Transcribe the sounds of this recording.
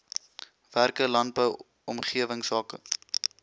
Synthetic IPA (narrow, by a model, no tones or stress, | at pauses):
værkəlɐnd̚bəw | ɔmχiəvəŋsɑːkə̰